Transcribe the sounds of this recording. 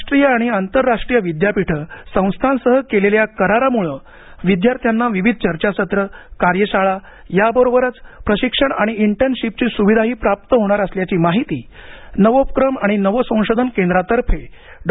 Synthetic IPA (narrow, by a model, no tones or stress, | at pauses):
ʂʈɾijəaɽ̃iant̪əɾːaʂʈɾijəʋid̪japiʈʰəsə̃w̃st̪ʰansəɦəkeleljakəɾaɾamuɭə | ʋid̪jaɾt̪ʰjanːaʋiʋid̪̚ʱt͡ɕəɾt͡ɕasət̪ɾəkaɾjəɕaɭa | jabəɾobəɾət͡spɾəɕikʂəɳaɽ̃iiɳʈənɕip̚t͡ɕiːsuʋid̪ʱaɦiːpɾap̚t̪əɦoɽ̃aɾəsljat͡ɕiːmaɦit̪iːnəʋopkɾəmaɽ̃inəʋəsə̃w̃ʂod̪ʱənkẽnd̪ɾat̪əɾfʰe | ɖ